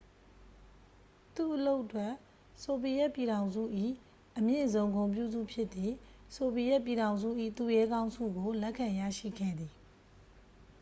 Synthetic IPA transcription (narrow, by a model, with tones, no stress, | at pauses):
t̪u˦˨ʔəlo˦ʊʔətwɛ˦˨ʔ | so˨pi˨jɛ˦ʔpji˨ɾã˨ʊ̃nzṵ˦˨ʔḭ˦˨ | ʔəmjɪ̰̃˦˨zõ˦˨ʊ̃ŋɡõ˨mp̬jṵ˦˨dṵ˦˨pʰjɪ˦ʔt̪ːi˨so˨pi˨jɛ˦ʔpji˨ɾã˨ʊ̃nzṵ˦˨ʔḭ˦˨t̪u˦˨jɛ˦ɡã˦ʊ̃nsʰṵ˦˨ɡo˨lɛ˦ʔkʰːã˨jä̰˦˨ʃḭ˦˨ɡɛ̰˦˨d̪i˨